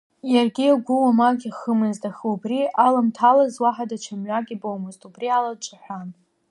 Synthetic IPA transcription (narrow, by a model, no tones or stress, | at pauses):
jarɡʲiaɡʷʊwamaɡʲiχəmɨztʼaχɨubrialamtʰalazwaħadat͡ʃʷʰamʕʷaɡʲibowmoztʼubrialat͡ʃʷʼaħʷᶣan